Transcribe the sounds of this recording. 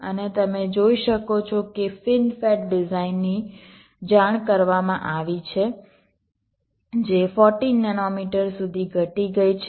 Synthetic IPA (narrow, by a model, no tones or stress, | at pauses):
ənet̪əmed͡ʒoiʃəkot͡ʃʰokefɪnfɛʈ̚ɖɪzainːi | d͡ʒaɽ̃kəɾʋamãʔaʋit͡ʃʰe | d͡ʒefɔɾʈinːɛnomiʈəɾsud̪ʱiɡʱəʈiɡəit͡ʃʰ